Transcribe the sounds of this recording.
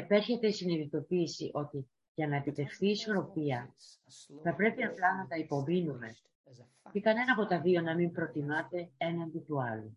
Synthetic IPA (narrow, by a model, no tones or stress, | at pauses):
epe̞ɾçe̞t̪e̞isiniðit̪o̞piːsḭʔo̞t̪i | ʝɐnɐepit̪e̞fθiːso̞ɾo̞piɐ | θɐpɾe̞piɐplɐnɐt̪ɐipo̞minume̞ | cekɐne̞nɐpo̞t̪ɐðio̞nɐmimpɾo̞t̪imɐt̪e̞e̞nɐnd̪it̪uɐlu